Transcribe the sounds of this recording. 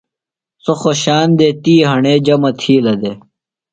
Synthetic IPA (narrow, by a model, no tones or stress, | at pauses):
soxoɕaːnd̪eːt̪iːɦɐɳeːd͡ʑɐmɐt̪ʰiːlɐd̪e